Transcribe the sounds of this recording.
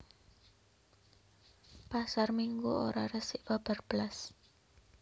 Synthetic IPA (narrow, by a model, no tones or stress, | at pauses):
pasarmiŋɡuʔo̰ɾaɾəsiʔwab̥ə̤rb̥əlas